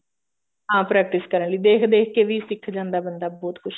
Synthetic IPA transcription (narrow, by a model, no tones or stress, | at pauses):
ɦãːpɾɛːk̚ʈɪskəɾəɳləiːd̪eːkʰd̪eːkʰkeːʋiːsɪkʰːd͡ʒãːnd̪aːbənd̪aːbɔːt̪kʰʊt͡ʃʰ